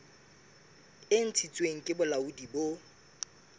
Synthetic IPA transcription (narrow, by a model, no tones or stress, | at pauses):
ɪn̩t͡sʰit͡sʼweŋ̩kʼɪbʊlaudibo